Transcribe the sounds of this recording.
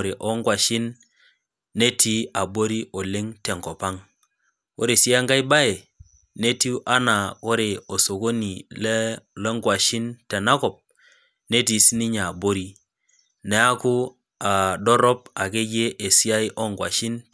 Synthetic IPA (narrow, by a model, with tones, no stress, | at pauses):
ɾe˨ʔɔ˦ŋɡwa˨ʃi˦nː | e˦tʰi˦a˨bo˦ɾi˦ʔo˨le˦ŋte˨ŋkɔ˨pa˦ŋ | ko˦ɾe˨si˦a˦ŋɡa˦jba˦e˨ | ne˦ti˦ʔa˦na˨ko˦ɾe˨o˨so˨ko˦ni˨lle˦ŋɡwa˨ʃi˦nte˨na˦kɔ˨p̚ | ne˦ti˨sni˦ɲa˨bo˦ɾi˦ | ne˨a˦ku˦ | a˨dɔ˦ɾɔ˦pa˨ke˦d͡ʒe˦ʔe˨si˦a˦i˦ʔɔ˦ŋɡwa˨ʃi˦n